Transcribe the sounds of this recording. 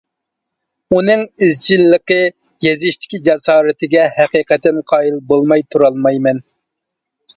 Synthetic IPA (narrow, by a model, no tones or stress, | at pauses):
unɨŋɪzd͡ʒilːəqə | jezɪʃt̪ʰɪ̥kʲid͡ʒɑsɑːɾɨt̪ʰɪɡʲɛhɛqiqɛt̪ːɪnqʰɑːilbolˠmɑjt̪ʰuɾɑlˠmɑjmɛn